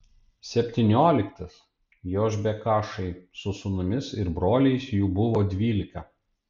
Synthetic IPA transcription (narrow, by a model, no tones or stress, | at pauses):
sʲɛpʲt̪ʲɪnʲoːlʲɪkt̪ɐs | joːʒbʲɛkɑːʃɐɪsʊsʊnʊmʲɪsɪɾbɾoːlʲɛɪsjuːbʊʋoːd̪ʲʋʲiːlʲɪkɐ